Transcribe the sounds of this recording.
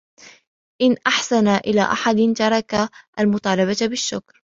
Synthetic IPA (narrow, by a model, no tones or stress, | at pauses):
ʔɪnʔaħsanaʔɪla̰ːʔaħad̪ɪnt̪ɑɾˤɑkaʔalmʊt̪ˤɑːlɑbabɪʃːʊkɾ